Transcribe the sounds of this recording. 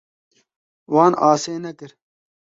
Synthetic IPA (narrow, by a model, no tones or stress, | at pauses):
wɑːnaːseːnɐkəɾ